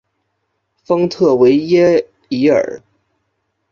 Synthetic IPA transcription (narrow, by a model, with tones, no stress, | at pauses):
fɤ˥ŋt̪ʰɤ˥˩we˧˥ɪjɛ˥ | i˧˥ə̰˞˨˩˦